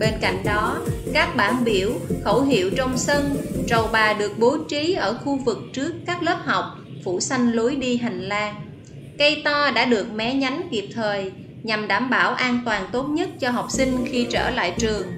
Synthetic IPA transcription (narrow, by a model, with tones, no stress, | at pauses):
ɓe˧nka̰˧˨jŋ̟ɗɔ˨˦kaː˦˥k̚ɓaː˧˩nɓi˧˩əwxə˧˩wɦḭ˧˩˨əwt͡ɕɔ˧wŋ͡msə˧nt͡ɕə˨˩wɓaː˨˩ɗɨ˨˩ək̚ɓo˨˦t͡ɕi˨˦ʔəː˧˩xu˧vɨ˨˩k̚t͡ɕɨ˦˥əkːaː˦˥k̚ləː˦˥p̚ha˨˩wk͡p̚ | fu˧˩sa˧jŋ̟lu˨˦jɗi˧ɦa˨˩jŋ̟laː˧ | kə˧jt̪ɔ˧ɗa̰ː˧˥ɗɨ˨˩ək̚mɛ˨˦ɲa˨˦jŋ̟ki˨˩p̚t̪ʰəː˨˩j | ɲa˨˩mɗaː˧˩mɓaː˧˩wʔaː˧nt̪waː˨˩nt̪o˦˥t̚ɲə˦˥t̚t͡ɕɔ˧ɦa˨˩wk͡p̚sï˧ŋ̟xi˧t͡ɕə̰ː˧˩la̰ː˧˨jt͡ɕɨ˨˩əŋ